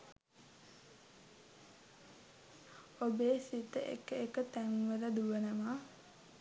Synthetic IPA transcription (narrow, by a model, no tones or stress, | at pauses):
obeːsit̪əʔḛkəekət̪æŋʋəɾəd̪uʋənəma